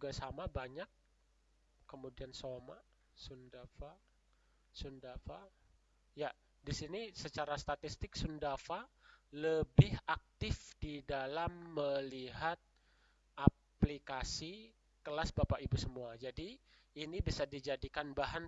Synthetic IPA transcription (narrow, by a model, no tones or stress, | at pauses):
ɡasamabaɲak̚ː | əmudiansomaʔ | sundafa | sundafa | ja | disinisət͡ʃaɾast̪at̪ist̪ɪksundafaləbɪhak̚t̪ɪfdidalamːəliɦat̪̚ | ʔa | plikasi | kəlasbapaʔibusəmuad͡ʒadiː | nibisardid͡ʒadikanbaɦan